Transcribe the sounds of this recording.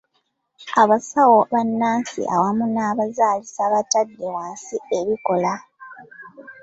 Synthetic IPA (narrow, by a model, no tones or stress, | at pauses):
aβasawoβanːaːnsḭʔa̰wamunaːβazaːlisaβatadːe̞waːnsieβiko̞la